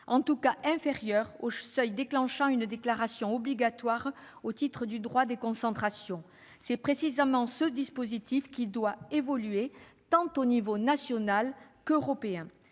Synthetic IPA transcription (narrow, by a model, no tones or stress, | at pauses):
ɑ̃t̪ukaʔɛ̃feʁjœʁosœjd̪eklɑ̃ʃɑ̃ynd̪eklaʁasjɔ̃ɔbliɡat̪waʁ | ot̪it̪χəd̪yd̪ʁwad̪ekɔ̃sɑ̃t̪χasjɔ̃ | sɛpχesizamɑ̃səd̪ispozit̪ifkʲid̪waevɔlyet̪ɑ̃t̪onivonasjɔnalkøʁɔpeɛ̃